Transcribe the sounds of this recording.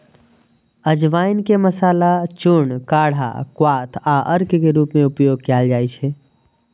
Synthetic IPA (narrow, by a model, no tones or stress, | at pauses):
əd͡ʒʋaːinkeməsaːlat͡ʃuɳkaːɽ̤ʱa̰kwaːt̪ʰaʔəɾkkeɾuːpmẽupjoɡ̚kald͡ʒaːjt͡ʃʰe